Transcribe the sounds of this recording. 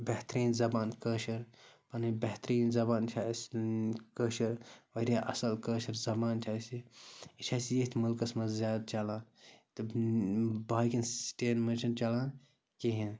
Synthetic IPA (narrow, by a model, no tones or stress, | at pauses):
bɐɦt̪ɾiːnzɐbaːnkəːʃɐɾpɐnibɐɦt̪ɾiːnzɐbaːnt͡ʃʰaːskəːʃɐɾʋɐɾʲjaːʔɐsɐlkəːʃɐɾzɐbaːnt͡ʃʰaːsiit͡ʃʰaːsjet̪ʰmɐlkɐsmɐzʲjaːd̪t͡ʃalãːnt̪ɨ | baːjkʲinsʈeːnmɐt͡ʃʰɐnt͡ʃɐlaːn | kiɦẽn